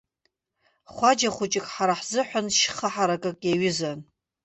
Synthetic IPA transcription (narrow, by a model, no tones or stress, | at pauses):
χʷad͡ʒaχʷʊt͡ʃʼɪkʼħaɾaħzɨħʷanʃχaħaɾakʼɨkʼjaɥɪzan